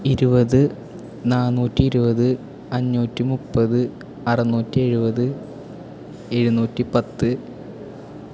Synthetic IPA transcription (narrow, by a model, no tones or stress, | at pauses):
iɾubɐðɨ | naːnuːtːiːɾubɐðɨ | ɐɲːuːtːimupːɐðɨ | ɐrɐnuːtːie̞ɻubɐðɨ | e̞ɻunuːtːipɐt̪ːɨ